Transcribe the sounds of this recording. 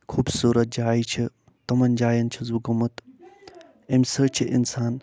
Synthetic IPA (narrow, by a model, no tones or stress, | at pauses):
kʰuːbsuːɾɐt̪̚d͡ʒaːit͡ʃʰi | t̪ɐmɐnd͡ʒaːjɐnt͡ʃʰizuɡɐmɐt̪ | emʲsət͡ʃʰiʔḭnsaːn